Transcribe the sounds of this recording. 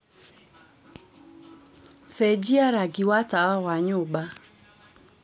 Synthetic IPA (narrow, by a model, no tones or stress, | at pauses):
sɛd͡ʒiaɾaɡiwatawawaɲʊba